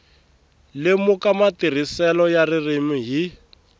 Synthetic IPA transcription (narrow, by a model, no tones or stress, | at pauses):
lɪmukamatir̤isɛlɔjaririmiɦi